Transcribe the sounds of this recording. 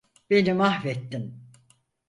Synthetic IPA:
b̥e̞nimahvɛt̪ːim

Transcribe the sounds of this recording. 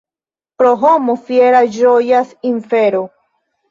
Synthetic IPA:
pɾoɦomofjeɾad͡ʒojasiɱfeɾo

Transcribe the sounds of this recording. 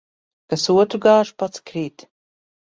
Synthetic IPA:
kasuɔtʰrɡaːʂpat͡sʰkʰriːtʰʼ

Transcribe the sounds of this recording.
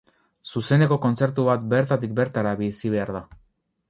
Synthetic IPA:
suse̞ne̞ko̞ko̞nt͡se̞ɾt̪uβat̪be̞ɾt̪at̪ik̚be̞ɾt̪aɾaβisiβ̞e̞aɾða

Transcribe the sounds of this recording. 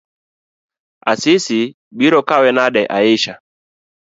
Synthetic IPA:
a̰sisi | ɓiɾɔkawɛnaɗɛʔa̰iʃa

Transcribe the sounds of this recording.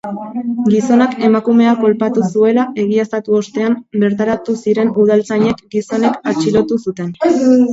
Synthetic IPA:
ɡiso̞nake̞makume̞ako̞lpat̪usue̞laʔe̞ɣ̞ie̞st̪at̪uo̞st̪e̞ambe̞ɾt̪aɾat̪usiɾe̞nuð̞alt͡saɲe̞kɡiso̞ne̞kat͡ʃilo̞t̪usut̪e̞n

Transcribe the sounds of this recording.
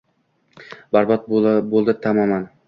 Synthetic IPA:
baɾbɒt̪̚bbolˠd̪ɪt̪ʰamɒman

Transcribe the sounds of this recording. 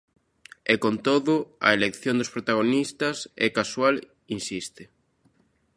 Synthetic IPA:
ekont̪oðʊɐ̰elekθjõnd̪ʊspɾot̪aɣ̞onist̪ɐsɛ̰kaswal | insist̪ɪ

